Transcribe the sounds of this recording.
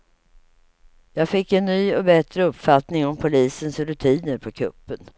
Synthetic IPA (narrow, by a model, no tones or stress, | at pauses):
jɑːɡfɪkːɛnːyːɔbɛt̪ɾəɵpːfat̪nɪŋɔmpʰʊliːsənsɾɵt̪ʰiːnəɾpʰɔkʰɵ̰pːən